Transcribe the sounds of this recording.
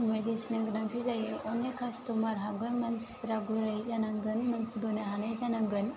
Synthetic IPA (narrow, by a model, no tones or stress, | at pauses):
majdesinaŋɡɯnaŋtʰizajɔnekʰastɔmaɾɦabɡɯnmansi̥ɾaɡuɾajzanaŋɡɯnmɐnsibənaɦanajzanaŋɡɯn